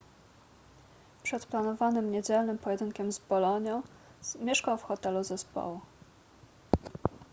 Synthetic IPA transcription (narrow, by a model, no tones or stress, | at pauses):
pʂɛt̪planɔvanɘmɲed͡ʑɛlnɘmpɔjɛd̪ɘŋkʲɛmzbɔlɔɲɔ̃ | mʲjɛʂkawfxɔt̪ɛluzɛspɔ̰wu